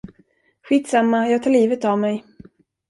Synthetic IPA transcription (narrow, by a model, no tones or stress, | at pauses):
ɧiːt̪samːajɑːɡt̪ʰaːɭiːvət̪avmɛj